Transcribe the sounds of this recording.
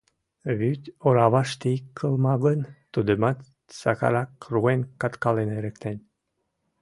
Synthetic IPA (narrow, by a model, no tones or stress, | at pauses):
βyt̪ʲoɾɑβɑʃt̪ikʰːəlˠmɑβənt̪ud̪əmɑt̪ | sɑkɑ̰ɾɑkruenkɑt̪kɑleneɾəkt̪enʲ